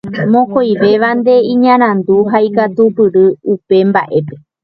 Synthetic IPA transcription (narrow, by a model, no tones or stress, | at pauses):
mõkojʋe̞ʋand̪e̞ĩɲãɾ̃ãnd̪uɦaikat̪upɨɾɨupe̞mba̰ʔe̞pe̞